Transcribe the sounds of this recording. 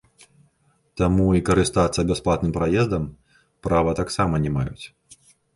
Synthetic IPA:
t̪amuikɐɾɨst̪at̪sɐbʲɛsplˠat̪nɨmpɾajɛzd̪ɐm | pɾavɐt̪aksamɐnʲɛmajṵt͡sʲ

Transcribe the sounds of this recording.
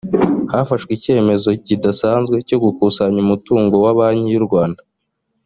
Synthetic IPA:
hafaʃɡwice̞ːme̞zo̞cidasaːnzɡwe̞co̞ɡukusaɲumutuːŋɡo̞waβaːɲijuɾɡwaːnda

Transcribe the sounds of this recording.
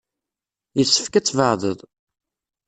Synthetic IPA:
jəsːə̥fkæt͡sːvəʕðˤəðˤ

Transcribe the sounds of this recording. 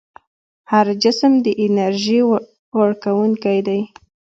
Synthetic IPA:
haɾd͡ʒɪsmd̪əʔɪnaɾʒi | waɽkawuŋkajd̪aj

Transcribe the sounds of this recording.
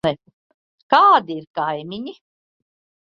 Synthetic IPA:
ɛ | kaːd̪iiɾkajmiɲi

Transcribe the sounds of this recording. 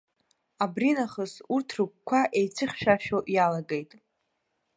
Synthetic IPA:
abrinaχəsurtʰrɨkʷkʷʰaʔe̞jt͡sʰɨχʲʃᶣaʃoʔjalaɡe̞jtʼ

